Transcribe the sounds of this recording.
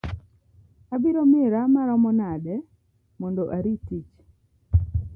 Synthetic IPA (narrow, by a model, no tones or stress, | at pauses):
abiɾomɪɾamaɾɔmɔnadɛ | mɔndoʔaɾitit͡ʃ